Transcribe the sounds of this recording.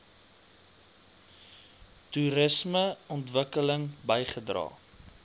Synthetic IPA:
tuɾəsməɔntvəkələŋbəjχədrɑ̰ː

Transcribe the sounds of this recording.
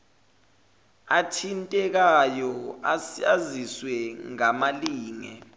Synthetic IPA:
atʰintʼɛk̬ajɔasiaziswɛŋamaliːŋɛ̰

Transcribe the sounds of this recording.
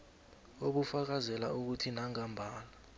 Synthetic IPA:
oɓufak̬azɛlauk̬utʰinaŋambʱaːla

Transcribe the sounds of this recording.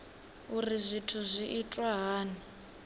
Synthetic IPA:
urizʷitʰuzʷiʔitʼwaɦaːnii

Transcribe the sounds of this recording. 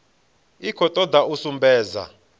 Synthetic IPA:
ikʰɔt̪ʼɔd̪ausumbɛːza̰

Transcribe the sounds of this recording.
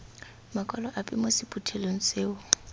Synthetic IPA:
makʼɔlɔʔapʼɪmosɪpʼutʰɛloŋ̩seːʊ

